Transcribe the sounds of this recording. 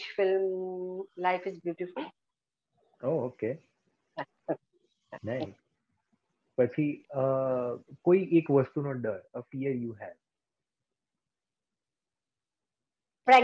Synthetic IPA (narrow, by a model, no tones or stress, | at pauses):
ʃfɪlm | laɪfɪzbjuːʈɪfʊl | ooke | nais | pət͡ʃʰiə | koiʔekʋəst̪unoɖəɾəfiəɾjuːɦɛʋ | pɾɛɡ